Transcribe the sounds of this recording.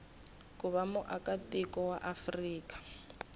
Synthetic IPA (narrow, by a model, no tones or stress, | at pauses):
kʼʊβamʊʔakʼatʼɪkʼɔwaʔafriːkʼḁ